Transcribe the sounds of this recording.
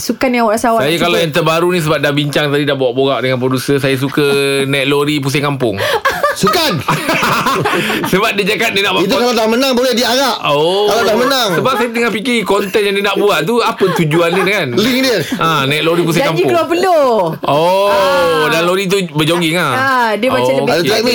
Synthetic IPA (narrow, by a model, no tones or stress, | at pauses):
sukanjãwaʔɾasawasajakalajaŋt̪əbaɾunĩsəbap̚dahbiɲt͡ʃaŋt̪adidahbowaʔboɣaʔdəŋanpɾodusəs̬ajas̬ukənɛt̪̚loɾip̬us̬akampʊŋsukan | səbap̚did͡ʒaɡat̪̚ninaʔbaitt̪ukalalamənaŋbolɛhdiaɣaʔokalalamənaŋsəbap̚sajat̪əŋapikiikɔnt̪ɛnjaŋdinaʔbuaʔt̪uapət̪ud͡ʒuandidkanliŋdiəʔãnaɛt̪loɾip̬us̬akamd͡ʒikəluapəloo | danloɾit̪̬ubəd͡ʒoŋɡɪŋaadiəbaadat̪ami